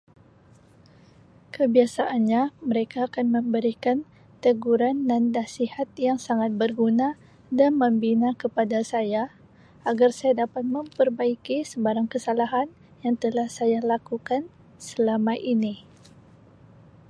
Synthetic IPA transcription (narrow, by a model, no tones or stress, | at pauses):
kəbiasaʔanɲaməɾekaːkanməmbəɾikan | t̪əɡuɾanːandasihat̪̚jaŋsaŋat̪̚bərɡuna | danmə̃mbinakəpadasaja | aɡarsajadapat̪̚məmpərbaikisəbaɾaŋkəsalaɦan | jaŋt̪əlahsajalakukan | səlamajʔini